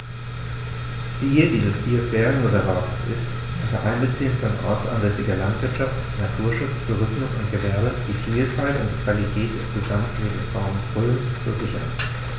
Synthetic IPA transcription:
t͡siːədiːzəsfiːsv̥ɛːʁənʁozɛɐvaːtʰə̥sɪ̰st | ʔʊntɐʔaɪnbət͡siːənfɔnʔɔ̰ɐt͡sʔa̰nzɛsɪɡɐlantv̥ɪɐtʃaftnatʰuːɐʃʊt͡stʰuːʁɪsmʊsʊntɡ̥əvɛɐdəd̥iːfiːlfaltʊ̰ntd̥i̥kv̥alitʰɛːt̚d̥ɛsɡ̥əzamtleːbm̩sʁ̥aʊmənb̥ʁøləntt͡suːɐzɪçɐha̰ɪt

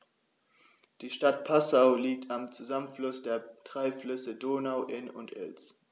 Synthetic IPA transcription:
d̥iːʃtat̚pʰasaʊliːk̚tʰamt͡suzamənflʊsd̥eːɐtʁ̥aɪflʏsədoːnaʊʔɪnʊ̰ntʰʔɪ̰ls

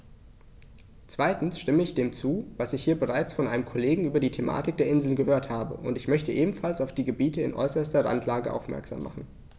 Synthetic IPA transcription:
t͡sv̥aɪtn̩sʃtɪməɪçd̥eːmt͡suːvasɪçhiːɐbəʁ̞aɪt͡sfɔnʔaɪnəmkʰɔleːɡŋ̩ʔyːbɐdiːtʰemʔa̰ːtɪk̚d̥eːɐʔɪnzl̩nɡəhøːɐthaːbə̰ʔʊntɪçmœçtəʔeːbm̩falsaʊfd̥iːɡəbiːtəɪ̰nʔɔ̰ʏsɐstɐʁa̰ntʰlaːɡəʔa̰ʊfmɛ̰ɐkz̥a̰ːmːa̰χn̩

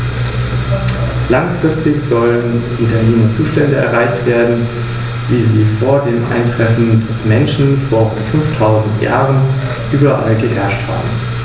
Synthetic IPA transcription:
laŋfʁ̥ɪstɪçz̥ɔləənʔʊntɐneːmɐt͡suːʃtɛndəʔɛ̰ɐʁaɪçtv̥eːɐdn̩ | viːziːfoːɐdeːmʔa̰ɪntʁ̥ɛfn̩dɛsmɛnʃn̩foːɐʁʊnfʏnftʰaʊzn̩tʰja̰ːʁən | ʔyːbɐʔa̰lɡəɦɛɐʃtha̰ːbm̩

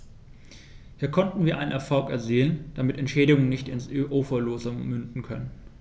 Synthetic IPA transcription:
hiːɐkʰɔntn̩viːɐʔaɪnənʔɛɐfɔlkɛ̰ɐziːlənd̥amɪtɛntʃɛːɾɪɡʊŋənɪçtɪnsʔoːfɐloːzəmʏndn̩kʰœnən

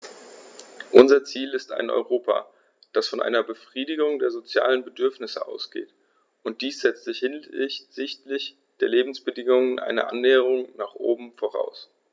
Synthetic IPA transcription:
ʔʊnzɐt͡siːlɪsta̰ɪnʔɔ̰ʏʁoːpʰa̰ | d̥asfɔnʔa̰ɪnɐbəfʁ̥iːdɪɡʊŋdeːɐzot͡sja̰ːlənbədʏɐfnɪsəʔa̰ʊsɡ̥ḛːt | ʊnt̚d̥iːsz̥ɛt͡stz̥ɪçhɪnz̥ɪçtlɪç | d̥eːɐleːbm̩sb̥ədɪŋʊŋənʔa̰ɪnə̰ʔa̰nːɛːəʁ̞ʊŋnaːχʔo̰ːbm̩foːʁ̞a̰ʊs

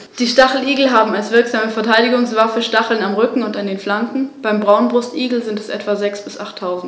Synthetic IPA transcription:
d̥iːʃtaχl̩iːɡl̩ɦaːbm̩alsv̥ɪɐkz̥aːməfɛɐtʰaɪdɪɡʊŋsv̥afəʃtaχl̩namʁʏkŋ̩ʊntandeːnflaŋkŋ̩b̥aɪmbʁaʊnbʁʊstʔiːɡl̩zɪntɛsʔɛ̰tv̥azɛksb̥ɪsʔaχtʰːaʊzn̩t

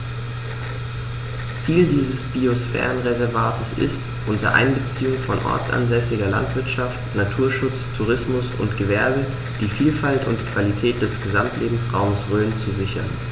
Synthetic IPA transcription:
t͡siːldiːzəsb̥iosfɛ̰ːʁənʁezɛɐvaːtəsɪ̰st | ʔʊntɐ̰ʔa̰ɪnbət͡siːʊŋfɔnʔɔ̰ɐt͡sa̰nzɛsɪɡɐla̰ntv̥ɪɐtʃaftnatʰuːɐʃʊt͡stʰuʁ̞ɪsmʊsʊ̰ntɡ̥əvɛɐbə | d̥iːfiːlfaltʊ̰ntkv̥alitʰɛːt̚d̥ɛsɡ̥əzamtʰlʔeːbm̩sʁaʊməsʁøːənt͡suzɪçɐn

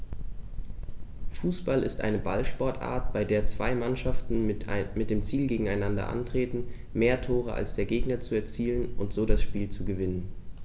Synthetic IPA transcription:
fuːsb̥alʔɪ̰stʔa̰ɪnəba̰lʃpɔɐtʔa̰ːɐt̚b̥aɪdeːɐt͡sv̥a̰ɪmanʃaftn̩mɪt̚d̥eːmt͡siːlɡeːɡŋ̩aɪnandɐ̰ʔa̰ntʁ̥eːtn̩ | meːɐtʰoːʁ̞əʔa̰lsd̥eːɐɡeːɡnɐt͡suɛɐt͡siːlənʔʊntz̥oːɾasʃpiːlt͡suɡəvɪnən

